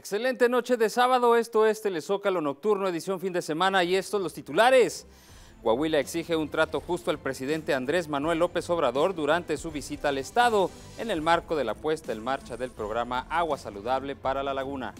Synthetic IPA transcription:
ekse̞le̞nt̪e̞no̞t͡ʃe̞ðe̞saβaðo̞e̞st̪oe̞st̪e̞le̞so̞kalo̞no̞k̚t̪uɾnoe̞ðisjo̞ɱfind̪ese̞mãnaie̞st̪ozlo̞st̪it̪ulaɾe̞s | ɡwawilaeksixe̞unt̪ɾat̪o̞xust̪oalpɾe̞siðe̞nt̪e̞and̪ɾe̞zmanwe̞lːo̞pe̞so̞β̞ɾaðo̞ɾd̪uɾant̪e̞suβisit̪aːle̞st̪að̞o̞ | ene̞lmaɾko̞ð̞e̞lapwe̞st̪aenmaɾt͡ʃaðe̞lpɾo̞ɣɾamaʔaɣwasaluðaβle̞paɾalalaɣuna̰

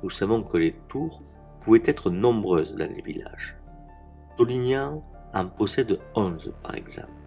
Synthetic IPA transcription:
nusavɔ̃kəlet̪uʁ | puvɛt̪ɛt̪χənɔ̃bʁøzd̪ɑ̰̃lḛvḭla̰ʒ | t̪ɔlinjã | ɑ̃pɔsɛd̪əɔ̃nzpa̰ʁɛ̰ɡzɑ̰̃pl

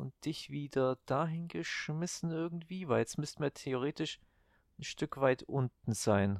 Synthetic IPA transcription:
ʊnt̚d̥ɪçv̥iːdɐd̥aːɦɪnɡəʃmɪsn̩ɪɐɡŋ̩tv̥iːvaɪljɛt͡stmʏstmiːɐtʰeoʁ̞eːtɪʃ | nʃtʏkv̥aɪtʔʊntn̩z̥aɪn

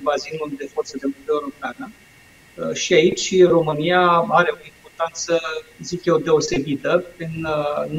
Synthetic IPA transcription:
bazinuld̪e̞fo̞rt̪səd̪enk̪ud̪euɾopanə | ʃiait͡ʃʲro̞mɨnijaaɾe̞o̞impo̞rt̪ant̪səzikjed̪e̞o̞se̞bit̪əpin

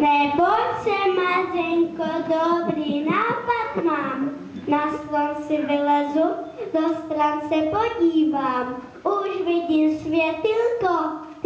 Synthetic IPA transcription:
najbɔlʃɛmad͡ʒɛŋkɔd̪ɔbɾinapad̪mam | naslɔnsɪvɪlazud̪ɔst̪ɾansɛpɔɟʲiːvam | uʒʋid̪imsʋjɛt̪ilkɔ

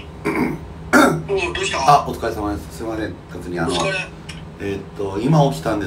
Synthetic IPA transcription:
aot͡sɨ̥kaesamad̪esɨ̥sɨɾemasẽŋkat͡sɨɲ̟iano | et̪ːoimaokʲi̥t̪ãnd̪e

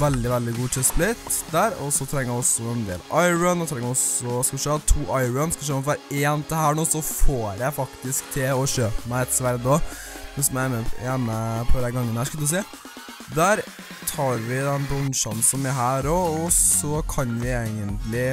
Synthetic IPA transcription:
ʋɛld̪ɪʋɛld̪ɪɡuːt̪ʰɪsplɪt̪ːd̪æːɾɔ̰sɔt̪ʰɾɛŋːəjæɔsːɔɛnd̪ḛːlɑɪɹənɛt̪ʰɾɛŋːɔsɔskɑʃøːɑt̪ʰːuːʔɑɪɹənskɑʃ̬øːmfʋæːɾeːnt̪ʰɪhæːɳuːsɔfoːɾjæɪfɑkt̪ɪskt̪ʰɪlɔʃøːpmæɪt̪sʋæɾd̪o | nʉsɔmæɪmːəjæməpʰɔd̪æɾɡɑŋːənhæːʂkɑld̪ʉs̬eː | d̪æːɾ | t̪ʰɑːɾʋɪd̪ɛnbɾɔnʃɑnsɔmæɾɦæːɾɔɔsɔkʰɑnʋɪeɪɡənt̪lɪ

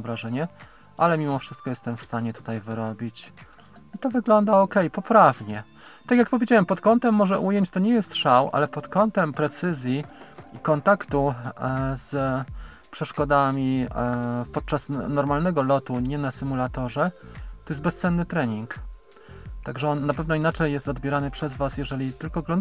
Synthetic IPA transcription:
vɾaʐɛɲɛ | ʔalɛmʲimɔfʂɘst̪kɔjɛst̪ɛmfst̪aɲɛt̪u̥t̪ajvɘɾɔbʲit͡ɕ | it̪ɔvɘɡlɔnd̪aɔkɛjpɔpɾavɲɛ | t̪akjak̚pɔvʲed͡ʑawɛmpɔt̪kɔnt̪ɛmːɔʐɛʔujeɲt͡ɕt̪ɔɲɛjɛst̪ʂawʔa̰lɛpɔt̪kɔnt̪ɛmpɾɛt̪sɘzʲjiikɔnt̪akt̪u | z | pʂɛʂkɔd̪amʲi | fpɔt̪̚t͡ʂasnɔɾmalnɛɡɔlɔt̪uɲɛnasɘmulat̪ɔʐɛt̪ɔjɛsbɛst̪sɛnːɘt̪ɾɛɲiŋk | t̪aɡʐɛɔnːapɛvnɔinat͡ʂɛjːɛst̪ɔd̪bʲjɛɾanɘpʂɛzvasjɛʐɛlʲit̪ɘlkɔɡlɔnd

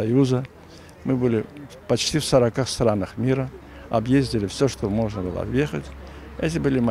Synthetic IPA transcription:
ɐjuzə | mɨbɨlʲɪ | pɐt͡ɕtʲifsəɾɐkaxst̪ɾanəxmʲiɾə | ɐ̰bjezʲdʲɪlʲɪfsʲoʂt̪omo̞ʐnəbɨ̰lˠə̰jexətʲ | ɛtʲɪbɨlʲɪmɐ

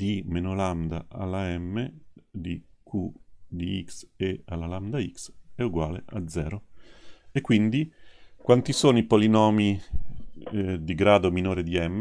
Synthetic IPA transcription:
d̪̥imenoland̪a̰ʔa̰laɛmːed̪ikʰud̪iiksealaland̪aiksɛuɡwaːlḛʔa̰d̪zːɛːɾo | ekːwind̪ikwant̪isoːnoipolinɔːmi | d̪iɡɾaːd̪ominoːɾid̪iɛmː

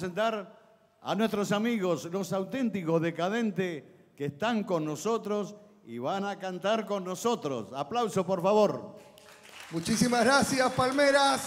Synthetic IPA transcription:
sent̪aɾ | a̰nwest̪ɾosamiɣoslo̞sawt̪ent̪ikozðekað̞ent̪e | keːst̪aŋko̞nːosot̪ɾos | ḭβanakant̪aɾko̞nːosot̪ɾo̰saplawsopoɾfaβoɾ | mut͡ʃisimaɣɾasjaspalmeɾas

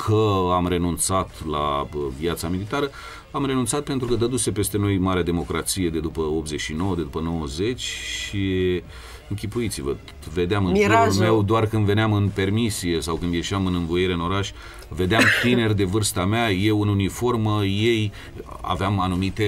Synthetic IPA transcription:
kʰəamre̞nunt̪sat̪la̰viat̪samilit̪aɾə | amɾe̞nunt̪sat̪̚pe̞nt̪ɾukəd̪əd̪use̞pe̞st̪e̞no̞jmaɾead̪e̞mo̞kɾat̪sije̞d̪e̞d̪upəo̞p̪ze̞t͡ʃʲʃino̞wəd̪e̞d̪upəno̞wəze̞t͡ʃʲʃi | ɨŋkʲipujit̪sivə | ve̞d̪eamɨnoulme̞wd̪oarkɨnd̪ve̞neamɨnpe̞rmisije̞sawkɨnd̪je̞ʃamɨnɨnvojeɾe̞ɨno̞ɾaʃʲ | ve̞d̪eamt̪ine̞rʲd̪e̞vɨrst̪ameaje̞wɨnunifo̞rməje̞j | a̰veamanumit̪e

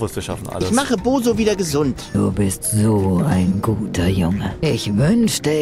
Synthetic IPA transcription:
vʊsʃa̰fn̩ʔa̰ɪçmaχəboːzoviːdɐɡəzʊntd̥ṵːbɪstz̥oːaɪnɡuːtʰɐjʊŋəʔɪçvʏnʃtə

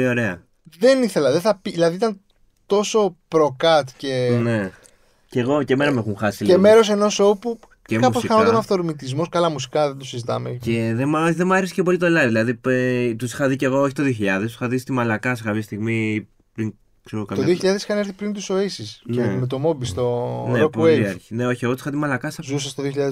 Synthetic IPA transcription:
io̞ɾe̞ɐ | ðe̞niθe̞lɐðeθɐpiilɐðiit̪ɐn | t̪o̞so̞pɾo̞kɐt̪ce̞ne̞ | ceɣo̞ce̞me̞nɐmexunxɐsieme̞ɾos̬e̞no̞sopu | cekɐposxɐnot̪onɐft̪oɾmit̪izmo̞skɐlɐmusi̥kɐðed̪osizit̪ɐ̰mḛceðemɐðemɐɾesi̥cep̬o̞lit̪olɐðilɐðit̪usi̥xɐðiceɣo̞oçit̪oðioçiʎɐðest̪si̥xɐðist̪imɐlɐkɐsekɐpçɐst̪iɣmi | pɾiŋ | kseɾokɐmt̪oðioçiʎɐðesi̥xɐne̞ɾθipɾint̪uso̞isisnemet̪o̞mo̞bist̪oneɾopoueiɐɾçi̥ne̞o̞çieɣot̪sixɐt̪imɐlɐkɐsɐzus̬ɐst̪oðioçiʎɐðe

